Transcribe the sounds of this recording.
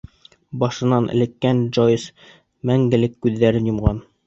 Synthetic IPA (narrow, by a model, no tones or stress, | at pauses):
bɑʃɤ̆nɑnʔɘ̰̆lɘ̆kːænʒojs | mæŋɡɘ̆lɘkːʉðːæɾɘnjŏmʁɑn